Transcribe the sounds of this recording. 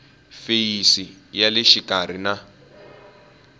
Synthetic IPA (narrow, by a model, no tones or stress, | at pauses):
fejisijaleʃikar̤ina